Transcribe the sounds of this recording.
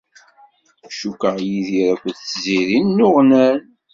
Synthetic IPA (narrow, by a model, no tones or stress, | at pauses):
ʃukːəʁjiðiɾækʷːənθziɾinːʊʁnæn